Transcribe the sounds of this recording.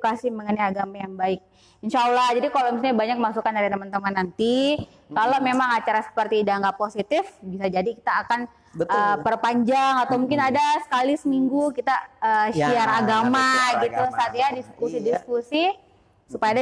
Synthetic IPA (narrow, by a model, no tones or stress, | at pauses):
kasɪhməŋənajaɡamajaŋbaɪk̚ | iɲʃalahd͡ʒadikalomis̬aɲabaɲak̚masukandaɾit̪əmant̪əmanːant̪i | kalomemaŋat͡ʃaɾasə̥pərt̪iːdaŋɡaposit̪ɪfbisad͡ʒadikit̪aːkan | əpərpaɲd͡ʒaŋat̪awmuŋkɪnadasə̥kalisəmiŋɡukit̪aəʃiaɾaɡamaɡit̪usaat̪jadiskusidisəkusi | supajad